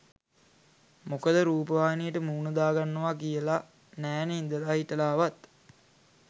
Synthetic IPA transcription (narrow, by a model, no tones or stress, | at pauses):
mokəd̪əɾuːpəʋaːnijəʈəmuːnəd̪aːɡanːəʋakijəla | næːnəind̪əlaːɦiʈəlaːʋat̪